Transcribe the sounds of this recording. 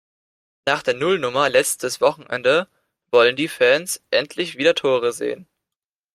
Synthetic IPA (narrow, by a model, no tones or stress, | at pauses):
naːχd̥eːɐnʊlnʊmɐlɛt͡stʰəsv̥ɔχn̩ʔɛ̰ndə | vɔləndiːfɛːnsʔɛntʰlɪçv̥iːɾɐtʰoːʁ̞əzḛːən